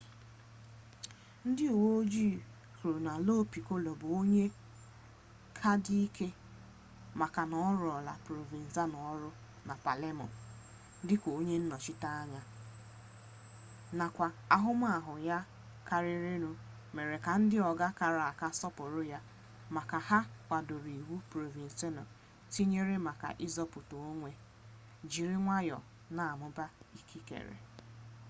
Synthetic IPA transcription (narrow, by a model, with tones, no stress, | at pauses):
n̩˦dɪ˦u˨wo˦o˦d͡ʒi˦˨ | kɾu˨na˨lo˦pi˨ko˦lo˨bʊ˨o˦ɲe˦ | kʰa˦di˦i˦kʰe˦ | ma˨ka˨nɔ˦ɾɔ˨la̰˨pɾo˨vi˨n̩˨za˦nɔ˨˦ɾʊ˦ | na˨pa˨le˦mɔ̰˨n˦ | dɪ˦kʷo˨o˦ɲe˦n̩˦nɔ˨t͡ʃɪ˦ta˦a˦ɲa˦ | na˨kʷa˨ | a˨ɦʊ˦m˦a˨ɦʊ˨ja˦ | ka˨ɾɪ˦ɾe˦ɾu˦ | me˨ɾe˨ka˨n̩˦dɪ˦ɔ˨ɡa˦ka˨ɾa˨a˨ka˦sɔ˦pʊ˨ɾʊ˦ja˦ | ma˨ka˨ha˦kʷa˨do˨ɾi˨wu˦pɾo˨vi˨n̩˨se˦nɔ̰˨ | ti˦ɲe˦ɾe˦ma˨ka̰˨ʔɪ˦zɔ˦pʊ˨to˨˦ŋʷe˦ | d͡ʒi˨ɾɪ˦ŋʷa˦jɔ̰˨ | na˨a˨mʊ˦ba˦i˦kʰi˦kḛ˨ɾḛ˨